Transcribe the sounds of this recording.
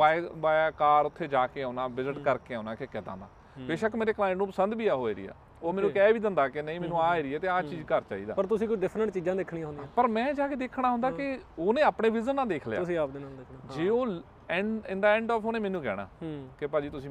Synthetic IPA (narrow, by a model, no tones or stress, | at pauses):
aːeʋaːkaːɾʊt̪ʰːeːd͡ʒaːkeːaːnãːbɪzɪʈkəɾkeːãːnãːkekɛːt̪a̰ːna̰ː | beːʃəkmeːɾeːklaːɪ̃ɳʈnũːpəsənd̪biːaːɦoːeːɾɪ̰ːa̰ː | oːmɛːnũːkɛːʋiːd̪ɪnd̪aːkeneĩːmɛ̃ːnũːaːeːɾiːɛːt̪eːaːt͡ʃiːd͡ʒkəɾt͡ʃa̰ːḭːd̪a̰ːpəɾt̪ʊsĩːkʊt͡ʃʰɖɪpʰɾəɳʈt͡ʃiːd͡ʒãːd̪ɪkʰɽĩãɦʊ̃ndĩpəɾmɛ̃ːd͡ʒaːkeːd̪eːkʰɽ̃aːɦʊ̃nd̪aːkɪoːnẽːaːpɳeːʋɪzənːãːd̪eːkʰlja̰sĩːaːpd̪enaːd̪ekʰːd͡ʒeːoː | ɛ̃ɳɖɪnd̪aːɛ̃ːɳɖɔːfʰoːnẽːmɛːnũːkɛ̰ːɽ̃a̰ːkɪpaːd͡ʒiːt̪ʊsĩː